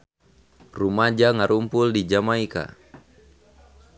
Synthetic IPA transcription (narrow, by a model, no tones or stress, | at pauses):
rumad͡ʒaŋaɾumpuldid͡ʒamaika̰